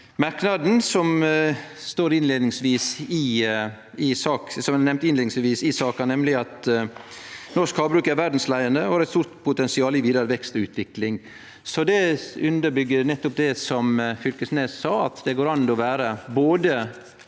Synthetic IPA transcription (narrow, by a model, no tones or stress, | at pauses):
mɑɾknɑd̪n̩sɔm | st̪oːɾɪnleːd̪nɪŋsʋiːsɪ | ɪsɑːksɔmnɛmnt̪ɪnleːd̪ɪŋsʋiːsɪsɑːkɑnɛmlɪɑt̪ | nɔʂkhɑːbɾʉːkæɾʋæɖn̩slæɪənd̪əhɑɾɛt̪st̪uːɾt̪pʰʊt̪ɛnsɪɑːlɪʋiːd̪ɑɾəʋɛkst̪ɔʉːt̪ʰʋɪklɪŋ | sɔd̪ɛʉnd̪əɾbʏɡːəɾnɛt̪ːʊp̚d̪ɛsɔmfʏlkəsneːssɑːɑt̪d̪ɛɡoːɾɑnd̪ɔʋæːɾəboːd̪ə